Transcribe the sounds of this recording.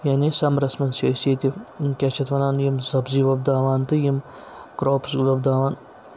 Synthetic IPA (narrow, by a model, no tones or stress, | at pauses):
janisɐmɾɐsmɐnsɐsiːt̪ʲikʲet͡ʃʰɐt̪ʋɐnaːnjimzɐbziːʋɐb̚d̪aːʋaːnt̪ɨjim | kɾoːpsɡulɐbd̪aːʋaːn